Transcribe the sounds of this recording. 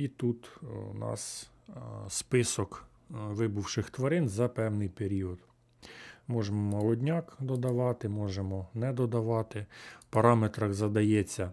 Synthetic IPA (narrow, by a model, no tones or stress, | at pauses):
it̪ut̪nɑ̰s | spɪsɔk | ʋɪbʊwʃɪxt̪ʋɐɾɪnzɐpɛwnɪjpeɾʲiɔd̪ | mɔʒemɔmɔlˠɔdʲnʲɑkd̪ɔd̪ɐʋɑt̪ɪmɔʒemɔnɛd̪ɔd̪ɐʋɑt̪ɪpɐɾɑmet̪ɾɐxzɐd̪ɐjɛt͡sʲːɐ